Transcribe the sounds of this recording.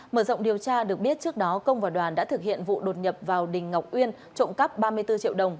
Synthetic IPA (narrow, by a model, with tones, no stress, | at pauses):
məː˧˩zə̰˧˨wŋ͡mɗi˨˩əwt͡ɕaː˧ɗɨ˨˩ək̚ɓi˦˥ət̚t͡ɕɨ˦˥ək̚ɗɔ˨˦kə˧wŋ͡mvaː˨˩ɗwaː˨˩nɗa̰ː˧˥t̪ʰɨ˨˩k̚hḭ˧˨ənvṵ˧˨ɗo˨˩t̚ɲə˨˩p̚vaː˨˩wɗï˨˩ŋ̟ŋa˨˩wk͡p̚ʔwi˧ən | t͡ɕo̰˧˨nkə˦˥p̚ɓaː˧mɨ˧əjt̪ɨ˧t͡ɕḭ˧˨əwɗə˨˩wŋ͡m